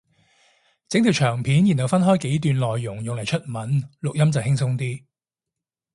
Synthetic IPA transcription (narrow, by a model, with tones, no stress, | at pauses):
t͡sɪ˨˥ŋt̪i˨˩wt͡ʃʰœː˨˩ŋpʰiː˨˥njiː˨˩nhɐ˨˩wfɐ˥nɦɔː˥jke˨˥jt̪yː˨˧nlɔː˨jːʊ˨˩ŋjʊ˨ŋlɐ˨˩jt͡ʃʰɵ˥t̚mɐ˨˥nlʊ˨k̚jɐ˥mt͡sɐ˨whɪ˥ŋsʊ˥ŋt̪iː˥